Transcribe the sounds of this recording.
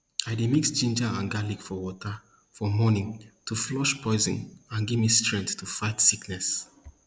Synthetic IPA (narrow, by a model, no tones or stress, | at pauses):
aɪdimiksd͡ʒĩnd͡ʒaãnɡalikfɔwɔtʰə | fɔmɔnĩŋtʰuflɔʃpʰɔɪzḭ̃nãnɡivmistɹɛ̃nθtʰufaɪtsiknɛs